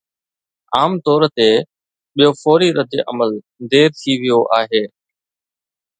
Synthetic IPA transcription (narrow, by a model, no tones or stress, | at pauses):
aːmt̪ɔːɾt̪e | ɓijofoːɾiɾəd̪eʔə̰məl | d̪eːɾt̪ʰiʋɪjoʔaːɦeː